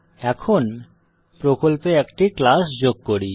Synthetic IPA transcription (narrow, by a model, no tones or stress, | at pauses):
ɛkʰon | pɾokolpeɛkʈiklasd͡ʑoɡ̚koɽi